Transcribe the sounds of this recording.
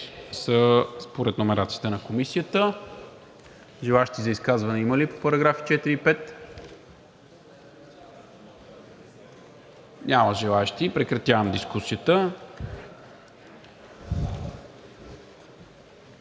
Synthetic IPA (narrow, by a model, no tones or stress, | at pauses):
səspoɾɛt̪nomɛɾat̪sijə̥t̪ɛnɐkomisijət̪ə | ʒɛlˠaɛʃt̪izɐiskazvɐnɛiməlipopɐɾɐɡɾafi̥t͡ʃɛt̪iɾiipɛt̪ | nʲaməʒɛlˠaɛʃt̪ipɾɛkɾɐt̪ʲjavɐmd̪iskusiət̪ə